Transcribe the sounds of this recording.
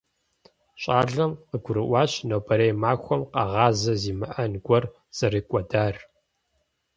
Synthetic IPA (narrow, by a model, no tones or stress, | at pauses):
ɕʼaːɮɐmqəɡʷʊɾɨʔʷɑːɕnɐbʰɐɾejmaːxʷɔmqɐ̰ʁɑːzɐziːmɨʔɐnɡʷɔr | sɐriːkʷʼɔdaːr